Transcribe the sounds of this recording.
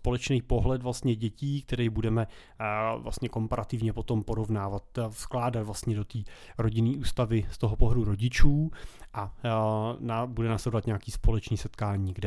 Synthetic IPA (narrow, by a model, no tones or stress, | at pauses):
spo̞lɛt͡ʃnɛjpo̞ɦlɛt̪vlast̪ɲɛɟɛciːkt̪ɛɾɛjbudɛmɛ | vla̰st̪ɲɛko̞mpaɾat̪ɪvɲɛpo̞t̪o̞mpo̞ɾo̞vnaːvat̪fsklaːdat̪vlast̪ɲɛdo̞t̪iːɾo̞ɟɪniːʔuːst̪avɪst̪o̞ɦopoɦduɾo̞ɟɪt͡ʃuːʔa | nabudɛnasadovat̪ɲeakiːspo̞lɛt͡ʃniːsɛt̪kaːɲiːɡdɛ